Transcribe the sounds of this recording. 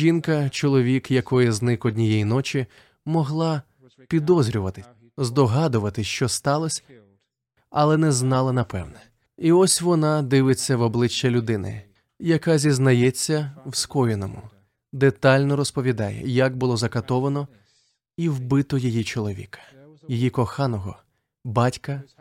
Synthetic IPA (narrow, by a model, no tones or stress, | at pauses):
ʒinkɐt͡ʃɔlˠɔʋʲikjɐkɔjiznɪkɔdʲnʲijɛjinɔt͡ʃʲi | mɔɦlˠɑ | pʲid̪ɔzʲɾʲʊʋɐt̪ɪ | zd̪ɔɦɑd̪ʊʋɐt̪ɪʃt͡ʃɔst̪ɑlˠɔsʲ | ɐlˠɛnɛznɑlˠɐnɐpɛwnɛ | iɔsʲʋɔnɑd̪ɪʋɪt͡sʲːɐʋɔblˠɪt͡ʃːɐlʲʊd̪ɪnɪ̰ | jɐkɑzʲiznɐjɛt͡sʲːɐwskɔjenɔmʊ̰ | d̪et̪ɑlʲnɔɾɔspɔʋʲid̪ɑjɛ̰jɐkbʊlˠɔzɐkɐt̪ɔʋɐnɔ | iwbɪt̪ɔjɔjit͡ʃɔlˠɔʋʲḭkɐ̥ | jijikɔxɑnɔɦɔ | bɑtʲkɐ